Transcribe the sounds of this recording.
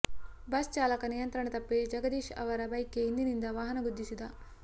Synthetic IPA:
bɐst͡ʃaːlɐkɐnijɐnt̪ɾɐɳɐt̪ɐpːed͡ʒɐɡɐd̪iːʃɐ̰ʋɐɾɐbɐjkːeind̪inind̪ɐʋaːɦɐnɐɡud̪ːisud̪ɐ

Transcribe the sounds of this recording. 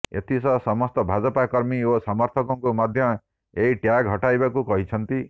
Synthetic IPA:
ḛt̪ʰisɔsɔmɔst̪ɔbʱad͡ʒɔpakɔɾmiosɔmɔɾt̪ʰɔkɔŋkumad̪ʱjɔ | eɦiʈjakɦɔʈajbakukɔɦit͡ʃʰɔnt̪i

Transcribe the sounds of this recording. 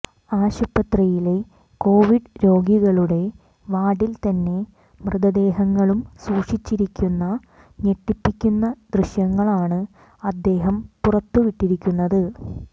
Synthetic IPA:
aːɕupːɐt̪rɐjile̞ | ko̞ːʋiɖɾo̞ːɡiɣɐɭuɽe̞ | ʋaːɽilt̪ɐnːe̞ | mrɨðɐd̪e̞ːɦɐŋːɐɭumsuːʂit͡ɕːiɾikʲːunːɐ | ɲeʈːipːikʲːunːɐd̪rɨɕjɐŋːɐɭaːɳɨ | ɐd̪ːe̞ːɦɐmpurɐt̪ːuʋiʈːiɾikʲːunːɐðɨ

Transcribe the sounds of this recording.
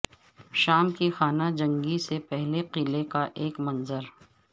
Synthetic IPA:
ʃaːmkixaːnad͡ʒɐ̃ŋɡisepɛɦleqɪlekaʔeːkmɐ̃nzəɾ

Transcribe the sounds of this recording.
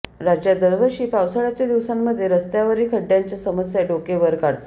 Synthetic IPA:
ɾad͡ʑjad̪əɾʋəɕiːfawsəɭat͡ɕjad̪iʋsamːəd̪ʱːjeɾəst̪jaʋəɾiːkʰəɖːjaɲt͡ɕasəməsjaɖokeʋəɾkaɽt̪

